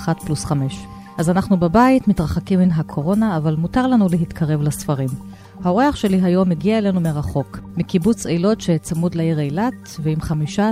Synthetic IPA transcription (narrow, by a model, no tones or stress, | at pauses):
χatplusχame̞ʃ | ʔazanaχnubebaitmitʁaχakimːinɦakʰo̞ʁo̞naːvalmutaʁlanuleɦit̪kʰaʁe̞vlasfaʁim | haoʁeaχʃe̞liɦajo̞meɡiaelenumeʁaχo̞kmikibut͡sejlo̞tʃet͡samud̪laiʁejlat̪ | veimχamiʃa